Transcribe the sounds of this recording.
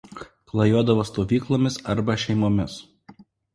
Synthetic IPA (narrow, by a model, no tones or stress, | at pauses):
klˠɐjuɔd̪ɐʋoːst̪oːʋʲiːklˠoːmʲɪsɐɾbɐʃʲɛɪmoːmʲɪs